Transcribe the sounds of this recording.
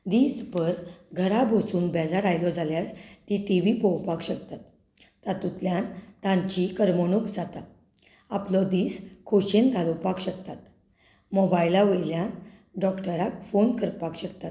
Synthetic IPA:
d̪iːspəɾɡʱəɾabʱosuːnbɛd͡zaɾajlɔd͡zʱaljalt̪iʈiʋipɔwpakɕək̚t̪at̪ː | at̪ut̪ljãnt̪ãɲt͡ɕikəɾmɔnukd͡zat̪a | aplɔd̪iːskʰoɕenɡʱalopakɕəkt̪at̪ | mɔbajlaʋeljãn | ɖɔkʈəɾakfonkəɾpakɕəkt̪at̪

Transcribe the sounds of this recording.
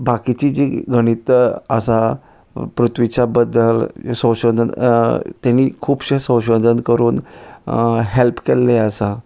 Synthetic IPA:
bakit͡ɕid͡ʑiɡəɽ̃it̪ə̰sa | pɾut̪ʋit͡ɕabəd̪ːəlsə̃wɕəd̪ʱənt̪janikʰuːbɕesə̃wɕəd̪ʱənkəɾuːn | ɦelpkɛlːeəsa

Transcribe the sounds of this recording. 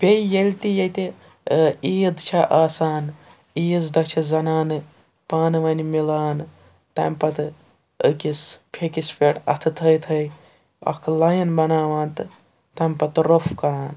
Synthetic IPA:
pʲejjelʲt̪ijet̪e | iːd̪t͡ʃʰaʔaːsaːn | iːzd̪ɐt͡ʃʰizɐnaːnɨ | paːnɨʋɐːnimilaːn | t̪ɐ̰mpɐt̪ɨ | əkispʰekispʰeːʈɐ̰t̪ʰɨt̪ʰəjt̪ʰəj | ɐ̰kʰlɐjɐnbɐnaːʋaːnt̪ɨ | t̪ɐmʲpɐt̪ɾofʰkɐɾaːn

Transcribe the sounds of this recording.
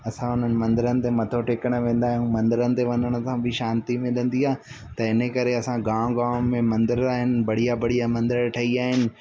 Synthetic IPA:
ɐsãʊn̤ənɪ̆mɐ̃nd̪ɪɾənɪ̆t̪emɐt̪ʰoʈeːkəɽ̃̆ʋẽːn̆d̪aːɦijũmɐ̃nd̪ɪɾənɪ̆t̪eʋɐɲəɽ̃ə̆sãbʱɪʃãːnt̪imɪlə̃nd̪iaː | t̪ɐɪnəkɐɾeɐsãɡãːmɡãːʋmẽmɐ̃nd̪ɪɾaːɦɪnɪ̆bɐɽ̤ijabɐɽ̤ijamɐ̃nd̪ɪɾʈʰɐiaːɦɪnɪ̆

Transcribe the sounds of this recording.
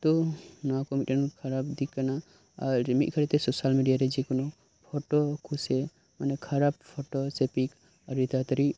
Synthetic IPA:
t̪onakɔmiʈənkʰaɾabd̪ikːana | aɾmiʔ̚kʰəɾit̪esosalmiɖijaɾed͡ʒekɔno | pʰɔʈɔkʰuse | manekʰɐɾab̚pʰɔʈɔsepik | əɾit̪at̪ɾi

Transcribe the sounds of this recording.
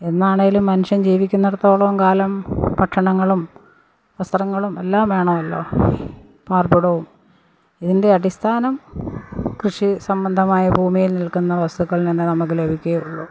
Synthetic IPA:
e̞nːaːɳeŋɡilumːɐnuʂjɐmd͡ʑiːʋikʲːunːeɽɐt̪ːo̞ːɭɐmkaːlɐmpɐʈʂɐɳɐŋːɐɭum | ʋɐst̪rɐŋːɐɭume̞lːaːmʋe̞ːɳɐʋɐlːo̞̰ː | paːrbuɽɐʋum | iðinde̞ɐɽist̪ʰaːnɐm | krɨʂisɐmbɐnd̪ʱɐmaːjɐbʱuːmijilnilkunːɐʋɐst̪uɣɐɭnenːɨnɐmɐkːɨlebʱikʲːeuɭːu

